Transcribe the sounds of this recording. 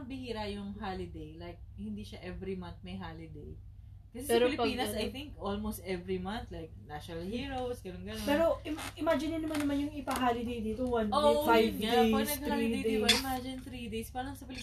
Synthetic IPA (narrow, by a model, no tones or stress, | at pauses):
ɐbɪhiːɾɐjʊŋhalɪd̪ejlajk̚hɪ̃nd̪iʃaʔɛvɾimɐnt̪̚mɐjɦalɪd̪ḛj | kɐsɛsɛsɐɪlɪppiːnɐsɐjθɪŋkʔolmost̪ɛvɹimɐnθlajk̚naʃonɐlhiːɹowsɡɐnonɡɐnopɛːɾo̞ʔɪmʔɪmad͡ʒɪnːɪnɐmanːɐmanjʊŋɪpɐɦaːlɪd̪ejd̪iːt̪owɐnfajvd̪pɐsnɐɡ̪aliejd̪ibɐɪmad͡ʒɪnt̪ɾid̪ejspaːɾɐɐsɐpɪlɪ